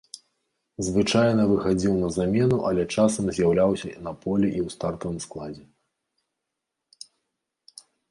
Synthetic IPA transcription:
zvɨt͡ʂajnɐvɨxad͡zʲiwnɐzamʲɛnuʔɐlʲɛt͡ʂasɐmzʲjawlʲawsʲɐnɐpɔlʲɛʔiwst̪art̪ɐvɨmsklˠad͡zʲɛ

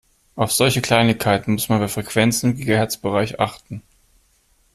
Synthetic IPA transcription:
ʔaʊfz̥ɔlçəkl̥aɪnɪçkʰaɪtn̩mʊsmanbaɐfʁ̥ɛkv̥ɛnt͡sn̩ɪmɡeːɡ̩hɛɐt͡sb̥əʁaɪçʔa̰χtn̩

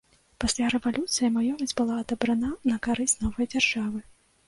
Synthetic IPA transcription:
pasʲlʲaɾɛvalʲut̪sɨjimajɔvʲɐd͡zʲbɨlˠaːd̪ɐbɾɐnanɐkaɾɨsʲtʲnɔvɐjd͡zʲarʐavɨ

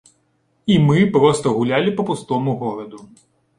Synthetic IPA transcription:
imɨpɾɔst̪ɐɣulʲalʲipɐpust̪ɔmuɣɔɾɐd̪u

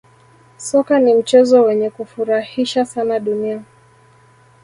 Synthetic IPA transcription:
sɔkanim̩t͡ʃɛzɔwɛɲɛkufuɾahiʃasanaɗunia

